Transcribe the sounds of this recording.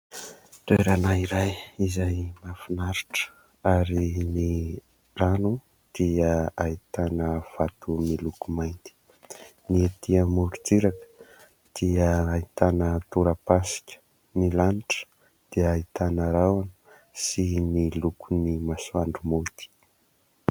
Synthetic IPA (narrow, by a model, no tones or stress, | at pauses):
reɾanaiɾajizajmafinaɾiʈ͡ʂə̥ | aɾini | ranu | d̪̥iəait̪anəv̥at̪umilukumajnt̪i̥ | niet̪iəmuɾut͡siɾakə̥ | d̪̥iəːit̪anət̪uɾapasi̥kʲə̥ | milaniʈ͡ʂə̥ | d̪̥iəait̪anəɾawanə | simnilukunimaswaɳɖ͡ʐumot̪i̥